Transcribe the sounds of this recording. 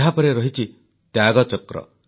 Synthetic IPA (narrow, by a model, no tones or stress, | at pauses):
ɦapɔɾeɾɔɦit͡ʃʰi | t̪jaɡɔt͡ʃɔkɾɔ̰